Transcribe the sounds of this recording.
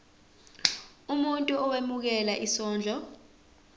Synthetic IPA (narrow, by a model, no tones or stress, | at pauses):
umuntʼuɔwemuk̬ɛlaʔisɔːnd͡ɮʱɔ